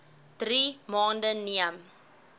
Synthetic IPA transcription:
d̥rimɑːndəniəm

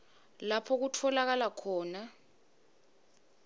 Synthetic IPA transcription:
lapʰɔk̬utʰɔlak̬alakʰɔːna

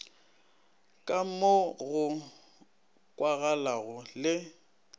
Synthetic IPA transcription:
kʼamoɣʊ | kʼwaɣalaɣʊlɪ

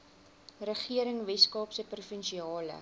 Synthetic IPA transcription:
rəχiəɾəŋvɛskɑːpsəprufənʃiɑːlə̰

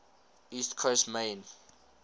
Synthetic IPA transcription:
istkʰostmẽɪn

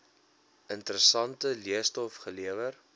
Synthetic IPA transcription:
ʔəntəɾəsɐntəliəstɔfχəliəvər

